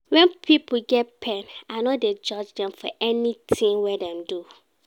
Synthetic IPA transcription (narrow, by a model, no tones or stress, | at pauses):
wɛ̃npʰipɡɛt̚pʰɛnanɔded͡ʒɔd͡ʒdɛ̃mfɔ̰ʔɛnitʰĩŋwɛdɛ̃mdu